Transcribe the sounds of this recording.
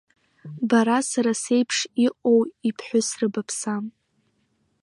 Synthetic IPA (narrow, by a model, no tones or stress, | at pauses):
baɾasaɾasejpʰʂiqʼo̞wipʰħʷʊsrɨbapʰsam